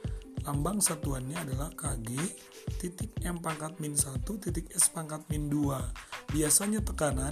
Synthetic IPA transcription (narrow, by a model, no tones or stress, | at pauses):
lambaŋsat̪uanɲaːdalahkaɡi | t̪it̪ɪk̚ɛmpaŋkat̪̚mɪnsat̪ut̪it̪ɪkɛspaŋkat̪̚minduabiasaɲat̪əkana